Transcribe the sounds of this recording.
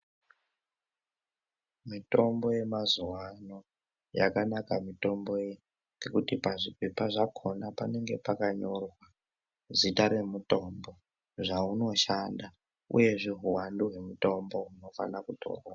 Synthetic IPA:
mito̞mbo̞je̞mazuwano̞ | ja̰kanakamito̞mbo̞je | ŋɡekutipaʐipepaʐakʰo̞napane̞ŋɡe̞pakaɲo̞rwa | zitaɾe̞muto̞mbo̞ | ʐauno̞ʃanda | ṵje̞ʐeɦuwanduɦwe̞muto̞mbo̞ɦuno̞fa̰nakutʰo̞̰rwa

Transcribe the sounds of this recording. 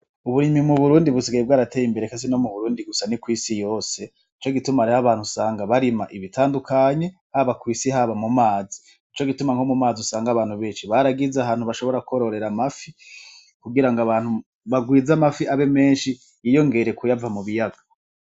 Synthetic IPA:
uβuɾimimuβuɾuːndiβusiɡajeb̚ɡaːɾateːjimbe̞ɾekasino̞muβuɾuːndiɡusanikwiːsijo̞ːse̞ | it͡ʃo̞ɡitumaɾihaβaːn̥husaːŋɡaβaɾimaʔiβitʰaːndukaɲe̞ | haβakwiːsihaβamumaːzi | it͡ʃo̞ɡitumaŋho̞mumaːzusaːŋɡaβaːn̥huβe̞ːnʃiβaɾaɡizaɦaːn̥huβaʃo̞βo̞ɾakuoɾo̞ɾe̞ɾamafi | kuɡiɾaŋɡaβaːnhu | βaɡwiːzamafiaβe̞me̞ːnʃi | jijo̞ŋɡe̞ɾe̞kujavamuβijaɡḁ

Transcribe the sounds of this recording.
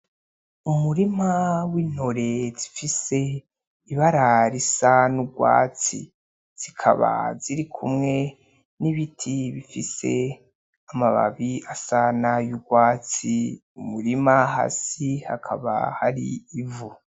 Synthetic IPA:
umuɾimawiːn̥oɾezifise | iβaɾaɾisanuɡwa̰ːt͡sḭ | z̥ikʰa̰βa̰ziɾikʰumŋe̞ | niβitʰiβifise̞̰ | amaβa̰βiasanajuɡwaːt͡si | umuɾimaɦa̰siha̰kʰa̰βa̰haɾḭːvu

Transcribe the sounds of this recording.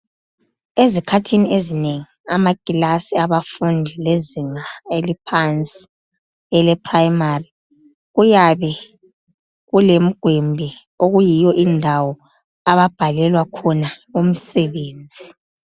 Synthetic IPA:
ezikʰatʰiniezineŋiamaɡ̥ʱilasiaβafundʱileziŋaelipʰant͡sʼi̥ | ɛlɛpʰrajmari | ɣujaβɛ | ɣulem̩ɡ̥ʱwɛmbʱɛ | oɣujijɔʔindʱawɔ | aβab̥ʱalɛlwakʰɔnaum̩sɛβeːnd͡zʱi

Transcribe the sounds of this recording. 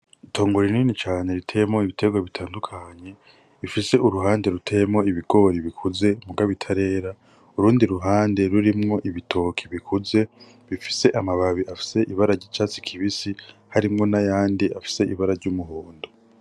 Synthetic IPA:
itʰo̞ːŋɡoɾiniːnit͡ʃaːnɲe̞ɾitʰejmŋo̞iβitʰe̞ɡwaβitʰaːndukʰaɲe̞ | ifise̞ʔuɾuɦaːnde̞ɾutʰejemŋo̞iβiɡ̥o̞ɾiβikʰuze̞muɡaβitʰaɾe̞ːɾa | uɾuːndiɾuɦaːnde̞ɾuɾimŋo̞ʔiβitʰo̞ːkʰiβikʰuze̞ | βifi̥se̞ʔamaβaβiʔafi̥se̞ʔiβaɾaɾɟit͡ʃat͡si̥kʰiβisihaɾimŋo̞najaːndiʔafi̥se̞iβaɾaɾɟumuɦoːndo

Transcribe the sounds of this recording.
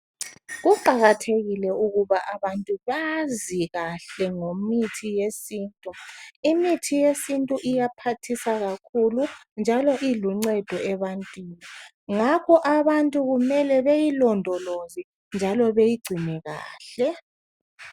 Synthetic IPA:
ɣuǃʱaɣatʰeɣilɛuɣuβaʔaβantʼuβaziɣaɬɛŋomitʰijesiːntʼuimitʰijesintʼuʔijapʰatʰisaɣakʰulund͡ʒʱalɔʔiluŋ͡ǀɛd̥ʱɔɛβantʼwiːni | ŋakʰɔʔaβantʼuɣumɛlɛβejilɔndʱɔlozi | nd͡ʒʱalɔβejiɡ͡ǀʱinɛɣa̰ːɬɛ

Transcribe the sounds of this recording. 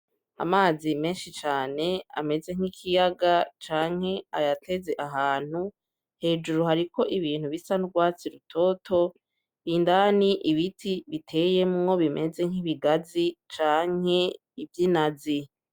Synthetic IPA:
a̰maːzime̞ːnʃit͡ʃaːne̞a̰me̞ze̞ŋ̥ikʰijaɡat͡ʃaːŋ̥he̞ajatʰe̞ze̞ʔaɦaːn̥hu | he̞ːd͡ʒuɾuɦaɾiko̞ʔiβiːn̥huβisanuɡwaːt͡siɾutʰo̞ːtʰo̞ | βiːndaniʔiβitʰiβitʰe̞ːjemŋo̞βimʔe̞ze̞ŋ̥iβiɡazit͡ʃaːŋ̥he̞ | ivjinazi

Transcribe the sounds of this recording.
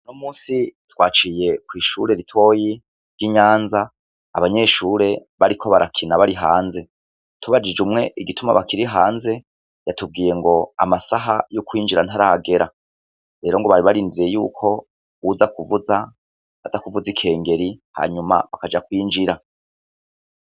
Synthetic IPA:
nomuːsitwaːt͡ʃije̞kwiːʃuːɾe̞ɾitwo̞ːji | ɾɡiɲaːnzaː | βaɲe̞ːʃuːɾe̞βaɾikʰo̞βaɾakʰinaβaɾiɦaːnze̞ | tuβad͡ʒid͡ʒumŋe̞ʔiɡituma̰βakiɾiɦaːnze̞ | jatub̚ɡiːje̞ŋɡo̞a̰masaɦajokwiːnd͡ʒiɾan̥haɾaɡe̞ɾa | ɾe̞ːɾo̞ŋɡoβaɾiβaɾiːndiɾe̞jṵːkʰo̞ | wuzakuvuza | βazakuvuzikʰe̞ːŋɡe̞ɾiha̰ːɲuma̰βakad͡ʒakwiːnd͡ʒiɾa

